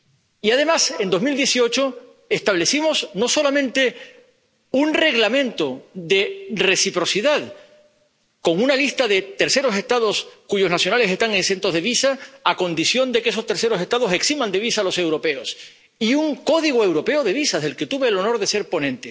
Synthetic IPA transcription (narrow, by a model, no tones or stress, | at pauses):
iaðe̞mase̞nd̪o̞zmild̪je̞sio̞t͡ʃo | e̞st̪aβle̞simo̞sno̞so̞lamẽnt̪e̞ | unre̞ɣlamẽnt̪oðe̞re̞sipɾo̞siðað | ko̞ŋunalist̪aðe̞t̪e̞ɾse̞ɾo̞se̞st̪að̞o̞skuʝo̞znasjo̞nale̞se̞st̪aŋeŋse̞nt̪oðeβisaːko̞nd̪isjo̞nd̪e̞kees̬o̞st̪e̞ɾse̞ɾo̞se̞st̪að̞o̞se̞ksimãnd̪e̞β̞isalo̞se̞wɾo̞pe̞os | iuŋko̞ðiɣ̞oe̞wɾo̞pe̞oð̞e̞β̞isaðe̞lke̞t̪uβe̞ːlo̞no̞ɾðe̞se̞ɾpo̞nẽnt̪e̞